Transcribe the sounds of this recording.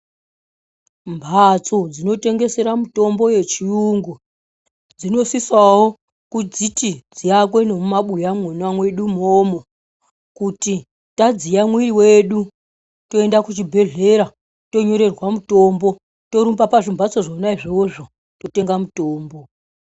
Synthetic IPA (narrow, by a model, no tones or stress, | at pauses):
mbʱat͡sod͡zino̞te̞ŋɡe̞se̞ɾamuto̞mbo̞je̞t͡ʃiuŋɡu | d͡zino̞siswawo̞ | kud͡zitid͡zijak̬we̞nomumaɓujamunwamwe̞ɗumoːmo̞ | kuti | tad͡zijamwiiwe̞ɗu | to̞e̞ndakut͡ʃibʱe̞ɮe̞ɾa | to̞ɲo̞ɾe̞rwamutoːmbo̞ | to̞ɾumbapaʐimbʱat͡so̞ʐonaiʐioʐo | to̞te̞ŋɡamutoːmbo̞